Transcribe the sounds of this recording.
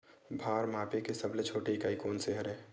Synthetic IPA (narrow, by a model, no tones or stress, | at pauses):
bʱaːɾmaːpekesəblet͡ʃʰoːʈeɪkaːikoːnseɦəɾɦɛ̃ː